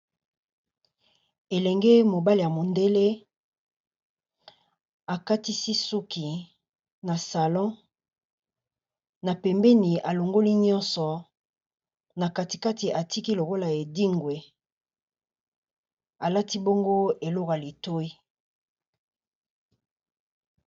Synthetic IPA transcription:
e˨lɛ˨ŋɡe˦mo˨ba˦li˨ja˨mo˨nde˦le˦ | a˨ka˦ti˦si˦su˦ki˨ | na˨sa˨lɔ̃˦ | na˨pɛ˨mbɛ˦ni˨ʔa˨lo˨ŋɡo˦li˦ɲɔ̃˦nsɔ˨ | na˨ka˨ti˨ka˦ti˨ʔa˨ti˦ki˦lo˨ko˦la˨e˨di˦ŋɡwe˨ | a˨la˦ti˦bo˦ŋɡo˦e˨lɔ˦ka˨li˨to˦i˦

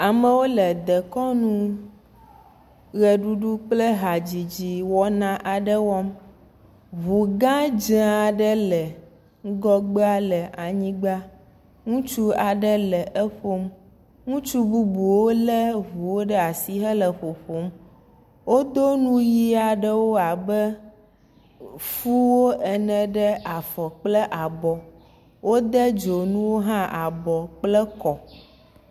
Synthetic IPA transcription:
a˨mə̃˦wo˦lə˨d̪ə˨kɔ˦nũ˦ | ɣɛ˨ɖu˦ɖu˦k͡plə˦ɦa˨d͡ʑi˨d͡ʑi˨wɔ˦nã˦ʔa˨ɖə˦wɔ˦m | βu˨ɡã˦d͡ʒe˨˦a˨ɖə˦lə˨ | ŋ̩˦ɡɔ˦ɡ͡be˦a˦lə˨ʔa˨ɲĩ˦ɡ͡ba˦ | ŋũ˦t͡ʃu˦a˨ɖə˦lə˨ʔə˦ɸo˦m | ŋũ˦t͡ʃu˦bu˦bu˨wo˦lə˦ɦu˨wo˦ɖə˦a˨si˦ɦə˦lə˨ɸo˨ɸo˦m | wo˦d̪o˦nũ˦ji˦a˨ɖə˦wo˦a˨bə˦ | fu˦wo˦ʔɛ˨nɛ̃˨ɖə˦ʔa˨fɔ˨k͡plə˦ʔa˨bɔ˨ | wo˦d̪ə˦d͡ʒo˨nũ˦wo˦ɦã˦ʔa˨bɔ˨k͡plə˦kɔ˨

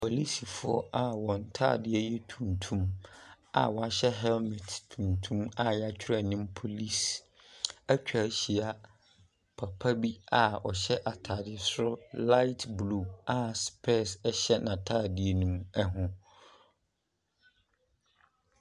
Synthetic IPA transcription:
pʰo˨li˦si˨fʊ˦ɔ˦ʔa˨wɔ̃˨n̩˨tʰa̰ː˦˨dɪ˨ɛ˦jɛ˦tʰũ˨ntʰũ˦m | a̰˨wɔ˨a˨ɕɛ˦ɦɛ˦lmɛ˨ttʰũ˨ntʰũ˦ma˦˨jɛ˦a˦˨t͡ɕᶣʰɪ˦ɾa˨nĩ˦mpʰo˨li˦s | æ˦t͡ɕᶣa˨˦ɕi˨a˨ | pʰa˨pʰa˦bi˦a˨ɔ˨ɕɛ˦ʔa˨tʰa˨dɪ˨sʊ˦ɾʊ˦la˦ɪ˦tʰblu˦˨a˨spʰɛ˦˨sɛ˦ɕɛ˦nã˨tʰaː˦˨dɪ˨e˨nũ˦mɛ˦ɦʊ̃˦

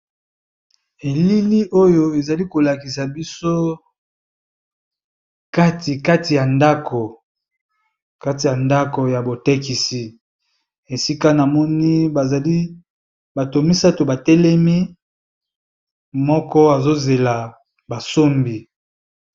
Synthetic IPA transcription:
e˨li˦li˦ʔo˦jo˦e˨za˨li˦ko˨la˨ki˨sa˨bi˦so˦ | ka˦ti˨ka˦ti˨ja˨nda˦kʰo˨ | ka˦ti˨ja˨nda˦ko˨ja˨bo˨te˦ki˨si˨ | e˨si˦ka˦na˨mɔ˦ni˦ba˨za˨li˦ | ba˨to˨mi˦sa˦to˨ba˨tɛ˦lɛ˦mi˦ | mɔ˦kɔ˦a˨zo˦ze˨la˨ | ba˨so˦mbi˨

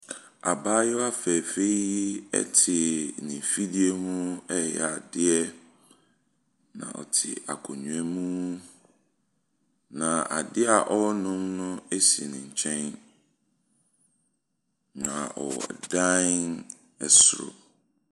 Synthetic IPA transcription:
a˨baː˦jɔ˦a˦fɛː˨fe˦i˦ɛ̰˦tʰɪ˨nɪ̃˨fi˦di˦e˦mũ˦ɛ˦jɛ̰˨a˨dɪ˦ɛ˦ | nã̰˨ʔɔ̰˨tʰɪ̰˨a̰˨kʰɔ˨ɲũ˨ɛ̃˦mũ˦ | nã˨ʔa˨dɪ˦a˨ʔɔ˦nʊ̃˦mnʊ̃˦e˦si˨nɪ̃˨ɲ̩˨t͡ɕʰɛ̃˦n | nã˨ɔ̰˨dã˦n | ɛ˨sʊ˦˨ɾʊ̰˨

